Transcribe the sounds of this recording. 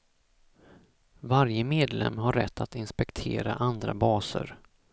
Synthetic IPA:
vaɾjəmeːd̪lɛ̰mːɦaɾːɛt̪ʰːat̪ɪnspɛkt̪ʰeːɾa̰ʔand̪ɾa̰bɑːsə̰ɾ

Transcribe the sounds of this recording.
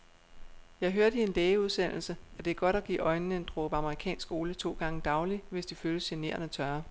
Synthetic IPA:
jɑ̈ɪɦøːɐɾəie̝nlɛːəuðˠsen̰l̩səæd̥e̝æɐɡ̥ɒ̽ɾ̥æɡ̥ḭːɒ̽ɪnnəend̥ʁob̥ɑ̈məʁikʰɛ̰ːnsɡ̥o̝ːlət͡sʰo̝̰ːɡ̥ɑ̈ŋəd̥ɑ̈ʊliʋe̝sd̥iføːləsene̝̰ɐnæt͡sʰɶɐ

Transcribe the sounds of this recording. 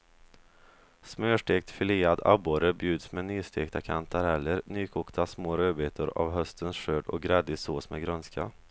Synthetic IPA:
smøːʂʈeːk̚t̪fɪliːad̪a̰boːɾəbjʉ̟ːd̪smɛnyːst̪ʰeːkt̪ʰakʰant̪ʰaɾɛlːəɾnyːkʰuːkt̪ʰasmoːɾøːbeːt̪ʰəɾa̰vɦœst̪ʰənsʂøːɖɔ̰k̚ɡɾɛd̪ɪsoːsmɛɡɾœnska̰

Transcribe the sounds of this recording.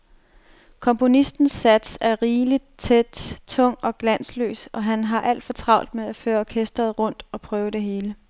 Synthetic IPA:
kʰɒ̽mpʰo̝nisd̥n̩sæd̥sæɐʁiːlid̥̚t͡sʰed̥t͡sʰɔ̽ŋ̰ɒ̽ɡ̥læn̰slø̰ːsɒ̽ɦænɦɑ̈ʔæl̰d̥fɒ̽t͡sʰʁɑ̈ʊ̰ld̥meðˠæføːɐɒkʰesd̥ʁɐð̩ˠʁɔ̽n̰d̥ɒ̽pʰʁœːʊəd̥e̝ɦe̝ːlə

